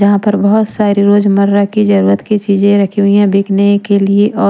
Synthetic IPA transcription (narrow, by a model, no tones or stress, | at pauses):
d͡ʒɐɦãpɐɾbɐɦʊt̪saːɾiɾoːd͡ʒmɐɾːakid͡ʒɐɾuːɾət̪kit͡ʃiːd͡ʒẽɾɐkʰiɦʊijãbeːkʰnekelieʔɔː